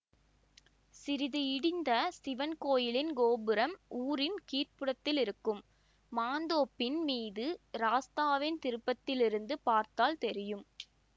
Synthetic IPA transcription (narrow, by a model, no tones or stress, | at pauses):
sɪɾɪðɯɪɽɪnd̪ɐsɪʋɐnkoːjɪlɪnɡoːbɯɾɐmʔuːɾɪnkiːrpɯɽɐt̪ːɪlɪɾɯkːɯmː | aːnd̪oːpːɪnmiːðɯɾaːst̪aːʋɪnt̪ɪɾɯpːɐt̪ːɪlɪɾɯnd̪ɯpaːɾt̪aːlt̪ɛɾɪjɯm